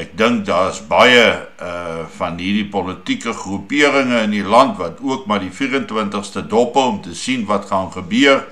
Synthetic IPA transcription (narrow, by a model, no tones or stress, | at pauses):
ɛk̚dəŋk̚dɑːəsbɐjəəfɐnɦirdipɔlətikəχrupiəɾəŋəənilɐntvɐtuəkmɐrdifiːrəntwəntəχstədɔpəlɔmtəsinvɐtχɑnχəbøər